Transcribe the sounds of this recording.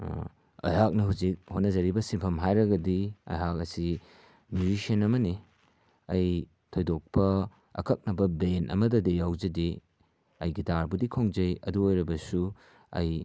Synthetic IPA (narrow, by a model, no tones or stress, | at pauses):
ɐ̰jɦak̚nɐɦuzik̚hotnɐzɐɾibɐsiŋpʰɐmɦajɾɐɡɐdiɐ̰jɦak̚ɐsi | mjud͡ʒisɐnɐmɐni | ɐj | tʰojdok̚pɐ | ɐ̰kʰɐk̚nɐbɐbenʔɐ̰mɐdɐdijawzɐdi | ɐjɡitaɾbudikʰoŋd͡ʒɐjɐ̰duojɾɐbɐsu | ɐ̰j